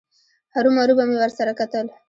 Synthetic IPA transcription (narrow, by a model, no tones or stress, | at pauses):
haɾumaɾubamewəɾsaɾakat̪əl